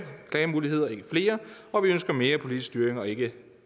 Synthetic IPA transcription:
kʰlɛːmuːlihe̝ð̞̰ˠɐe̝ɡ̥əfle̝ːɐ | ɒ̽ʋiønsɡ̥ɐme̝ːɐpʰo̝lid̥isd̥yːɐeŋɒ̽e̝ɡ̥ə

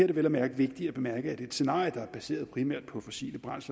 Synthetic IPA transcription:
ɐɾe̝ʋelæmæɐɡ̥ʋe̝ɡ̥̚d̥iæb̥e̝mæɐɡ̥əæd̥e̝ed̥se̝nɑ̰̈ːjəd̥ɑ̈æɐb̥æse̝̰ːɐðˠpʰʁimæɐ̰d̥̚pʰɒ̽fɒ̽sḭːləb̥ʁɑ̈n̰s

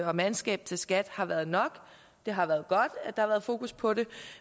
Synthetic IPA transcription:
ɒ̽mænsɡ̥ɛ̰ːb̥̚t͡sʰe̝lsɡ̥æd̥hɑ̈ʋæɐð̩ˠnɒ̽ɡ̥ | d̥e̝ɦɑ̈ʋæːɐðˠɡ̥ɒ̽d̥d̥ɑhɑ̈ʋæːɐðˠfo̝̰ːkuspʰɒ̽ɾe̝

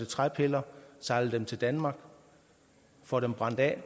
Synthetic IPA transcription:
d̥ət͡sʰʁapʰe̝lɐsɑ̈ɪl̩d̥emt͡sʰe̝ld̥ænmɑ̈ːɡ̥ | fɒɾ̥emb̥ʁɑ̈n̰d̥ɛ̰ː

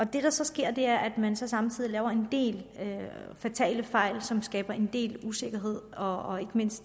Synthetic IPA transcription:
ɒ̽d̥e̝ɾ̥ɑ̈sɒ̽sɡ̥e̝ɐ̰d̥e̝æɐʔæd̥mænsɒ̽sɑ̈mt͡sʰið̰ˠilɛːʊɐe̝nd̥e̝̰ːløfæt͡sʰɛ̰ːɪləfɑ̈ɪ̰lsɒ̽msɡ̥ɛ̰ːb̥ɐʔe̝nd̥e̝̰ːluse̝ɡ̥ɐɦe̝ð̞̰ˠɒɒe̝ɡ̥əme̝n̰sd̥

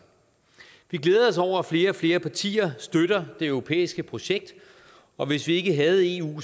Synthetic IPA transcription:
ʋiɡ̥leːðˠɒ̽s̬ɒʊ̰ɐæfle̝ːɐɒfle̝ːɐpʰɑt͡sʰḭːɐsd̥øɾ̥ɐd̥e̝œʊʁo̝pʰḛːisɡ̥əpʰʁo̝ɕeɡ̥̚d̥ | ɒ̽ʋe̝sʋie̝ɡ̥əɦæð̞̩ˠe̝ṵː

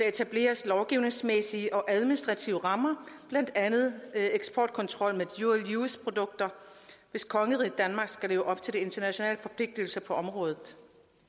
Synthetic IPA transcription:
d̥ɑ̈e̝t͡sʰæb̥le̝̰ːɐslɒʊɡ̥iʊne̝ŋsmesiəʔɒ̽ʔæð̞ˠminisd̥ʁɑ̈t͡sʰiʊəʁɑ̈mɐb̥læn̰d̥ænð̞̩ˠeɡ̥spʰɒːd̥̚kʰɒ̽nt͡sʰʁɒ̽l̰meðjueljuːspʰʁo̝d̥ɔ̽ɡ̥̚d̥ɐʋe̝skʰɒ̽ŋəʁid̥ænmɑ̈ːɡ̥sɡ̥æle̝ːʊəʔɒ̽b̥t͡sʰe̝ld̥e̝e̝nd̥ɐnæɕo̝nɛ̰ːlfɒ̽pʰle̝ɡ̥̚d̥il̩sɐpʰɒ̽ɒ̽mʁɔ̽ːð̞ˠð̩ˠ

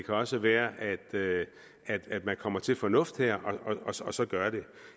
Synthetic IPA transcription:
kʰæɒ̽səʋæːɐʔæd̥ø | æd̥æd̥mænkʰɒ̽m̰ɐt͡sʰe̝lfɒ̽nɔ̽fd̥heɐ̰ʔɒ̽ɒ̽ɒɒ̽sɒ̽ɡ̥ɶɐɾ̥e̝

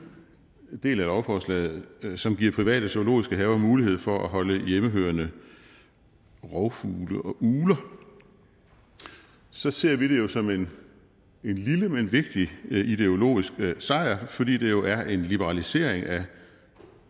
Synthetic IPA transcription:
d̥e̝̰ːlælɒʊfɒːslɛ̰ːð̩ˠsɒ̽mɡ̥iɐ̰pʰʁiʋɛ̰ːɾ̥əso̝olo̝̰ːisɡ̥əɦɛʊɐmuːlihe̝ð̞̰ˠfɒ̽ʔæɦɒ̽ləjeməɦø̰ːɐnə | ʁɒʊfuːləʔɒ̽ʔuːlɐ | sɒ̽se̝ɐ̰ʋiɾ̥e̝jo̝sɒ̽men | enliləmenʋe̝ɡ̥̚d̥iid̥e̝o̝lo̝̰ːisɡ̥sɑ̈ɪ̰ɐfɒ̽d̥ḭːd̥e̝jo̝ʔæɐʔe̝nlib̥əʁɑ̈lise̝̰ːɐ̰e̝ŋæ

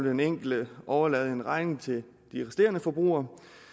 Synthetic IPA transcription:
ld̥eneŋ̰ɡ̥l̩d̥əʔɒʊɐlɛːð̩ˠe̝nʁɑ̈ɪne̝ŋt͡sʰe̝l | d̥iʁesd̥e̝̰ːɐnəfɒ̽b̥ʁṵːɐ

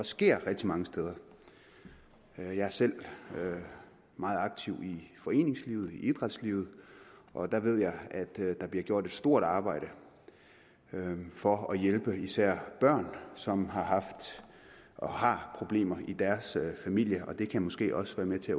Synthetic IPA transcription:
ɒsɡ̥e̝ɐ̰ʁɛɡ̥̚d̥imɑ̈ŋəsd̥eð̞ˠɐ | jɑ̈ɪæɐsel̰ø | mɑ̈ːð̞̩ˠɑ̈ɡ̥̚t͡sʰiʊifɒ̽e̝̰ːne̝ŋsliːð̞̩ˠiʔid̥ʁad̥sliːʊð̩ˠʔɒ̽d̥ɑʋe̝ð̞̰ˠjɑ̈ɪæd̥d̥ɑ̈b̥liɐ̰ɡjo̝ɐ̰d̥e̝d̥sd̥o̝ɐ̰d̥ɑ̈ːb̥ɑ̈ɪ̰ɾ̥ə | fɒ̽ɒjelb̥əisæɐ̰b̥ɶɐ̰nsɒ̽mɦɑ̈ɦɑ̈fd̥ | ʔɒhɑ̈pʰʁo̝b̥le̝̰ːmɐid̥æɐsøfæmil̰jəʔɒ̽d̥e̝kʰæmɔ̽sɡ̥e̝̰ːʔɒ̽səʋæːɐmet͡sʰe̝æ

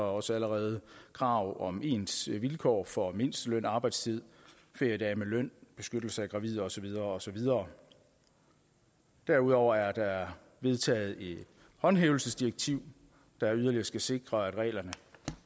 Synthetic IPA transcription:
ɒ̽səæləʁɛːð̞̩ˠəkʰʁɑ̈ʊɒ̽me̝ːnsʋilkʰɒ̰ːfɒ̽me̝n̰sd̥əløn̰ɑ̈ːb̥ɑ̈ɪd̥st͡sʰið̞̰ˠ | fe̝d̥æɐmelœn̰b̥e̝sɡ̥ød̥l̩səæɡ̥ʁɑ̈ʋið̰ˠɐɒ̽sɒ̽ʋið̞ˠɐːɒ̽sɒ̽ʋið̞ˠɐː | d̥æɐuðˠɒʊ̰ɐæɐd̥ɑ̈æɐ | ʋe̝ðˠt͡sʰɛ̰ːð̩ˠe̝d̥ | hɒ̽nɦeːʊl̩səsd̥iʁeɡ̥̚t͡sʰiʊ̰ | d̥ɑ̈æɐyð̞ˠɐliɐsɡ̥æse̝ɡ̥ʁɐæd̥ʁɛ̰ːlɐnə

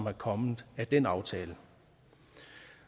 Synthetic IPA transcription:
mæɐkʰɒ̽mð̩ˠæd̥enɑ̈ʊt͡sʰɛːlə

